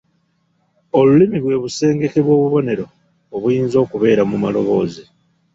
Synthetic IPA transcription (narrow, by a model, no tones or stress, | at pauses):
o̞lulimiβwe̞ːβuse̞ːŋɡe̞keβwo̞ːβuβo̞ne̞ɾo̞ː | βujiːnzo̞ːkuβe̞ːɾamumalo̞βo̞ːzi